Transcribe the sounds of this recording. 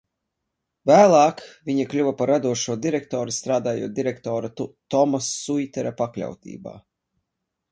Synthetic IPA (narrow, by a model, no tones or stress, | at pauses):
væːlˠaːkviɲiklʲuvapaɾːad̪uɔʃuɔd̪iɾɛk̚t̪ɔːɾist̪ɾaːd̪aːjṵːt̪̚d̪iɾɛkt̪ɔːɾat̪ɔmasːujt̪ʲɛɾapaklʲa̰wt̪ḭːba̰ː